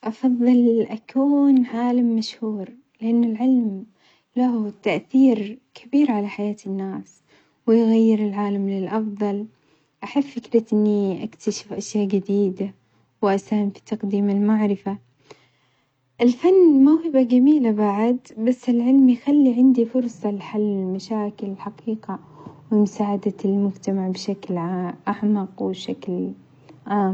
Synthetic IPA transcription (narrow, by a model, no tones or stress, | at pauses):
ʔɑfɑðˤːɨlʔakʰuːnʕaːlamːaʃhuːɾ | lɪʔanːɪlʕɪlm | lahut̪aʔθiːɾkʰabiːɾʕalaħajaːt̪ɪnːaːs | wɪjɣajːɪɾɪlʕaːlamlɪlʔɑfðˤɑl | ʔaħabfɪkɾat̪ʔɪnːiʔakt̪aʃɪ̥fʔaʃjaːʔd͡ʒɪd̪iːd̪a | wʔasaːhɪmfi̥t̪ɑqd̪iːmɪlmaʕɾɪfa | ʔɪlfanːmawhɪbaɡamiːlabaʕɪd̪basːɪlʕɪlmjxalːiʕɪnd̪ifʊɾsˤɑlħalːɪlmaʃaːkɪlɪlħaqiːqa | wɪmʊsaːʕad̪almʊd͡ʒt̪amaʕbʃaklʕaʔaʕmɑqwɪʃakl | ʕaːm